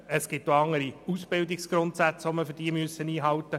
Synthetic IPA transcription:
əsɡ̥ɪtːoɑŋːəɾiusb̥ɪld̪iksɡ̥ɾʊntsæt͡sʋoməfʏd̥iːəmyøəsəniːɦɑwt̪ːə

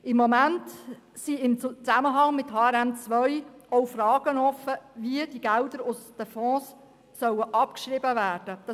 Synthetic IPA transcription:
ɪmːɔmænt | siɪmt͡sæməɦɑŋmɪthɑːɛɾæmt͡sʋœɥowfrɑːɡ̥ənɔfəviəd̥iɡæld̪əɾʊsd̥əfɔ̃ːsː | œwəʔɑpkʃʁɾɪbəvæːrd̥əd̥ɑ

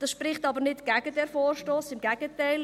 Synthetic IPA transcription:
d̥ɑsʃprɪχtɑbəɾnɪtɡ̥æɡədɛɾfoːrʃtoːsɪmɡæɡətæɪl

